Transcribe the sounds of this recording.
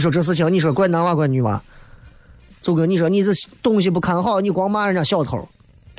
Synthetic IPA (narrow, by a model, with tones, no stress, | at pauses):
ʂwʈ͡ʂɻ̩ɤ˥˩s̬ɹ̩ʰ˥˩i˧˥˧ni˥˩ʂwɔ˨˩kwa˥ɪna˧˥nxwa˥˩kwa˥˩ny˨˩a̰˧˥ | t͡skɤ˧˩ni˥˩ʂwɔ˧˩˦ni˧t͡s̩˥˩˧t̪ʊ˥˧ŋɕi˧˩p̬u˧˥kʰa˧˥nxɑ˥˧ʊ˦ni˥˩kwɑ˧˥ŋma˧˥ɻə˧˥na˧˩ɕjɑ˥˩ʊt̪ʰo̰˨˩˥ʊ